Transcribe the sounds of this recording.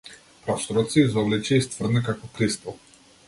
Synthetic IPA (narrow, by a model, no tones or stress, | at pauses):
pɾasɾɔt̪sɛizɔvlɛt͡ʃɛist̪vrd̪nɛkakɔpɾist̪ɔlˠ